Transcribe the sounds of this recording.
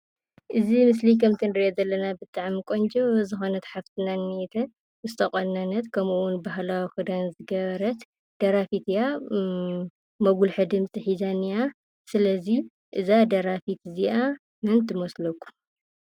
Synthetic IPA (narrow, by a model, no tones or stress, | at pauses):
ʔɨzimɨs̬likʰɐmt̪ʰɨnɨɾiʔezɐlːɐnabɨt̪ʼaʕmikʷʼond͡ʒʼɐzɨxonɐt̪ħaft̪ʰɨnanːet̪ʰɐ | ɨst̪ʰɐkʼonːanɐt̪kʰɐmuwʊnbaɦlawikɨd̪anzɨɡɐβɐɾɐt̪ | d̪̥ɐɾafit̪ja | mɐɡulħɨd̪ɨmt͡sʼiħizanija | sɨlɐzi | ʔɨzad̪ɐɾafit̪ziʔa | mɨnt̪ʰɨmoslokʰːu̥